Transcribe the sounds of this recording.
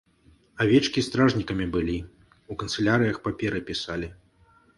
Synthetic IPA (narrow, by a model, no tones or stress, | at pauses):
avʲɛt͡ʂkʲist̪ɾaʐnʲikɐmʲibɨlʲi | ukɐnt̪sɨlʲaɾɨjɐxpapʲɛɾɨpʲisalʲi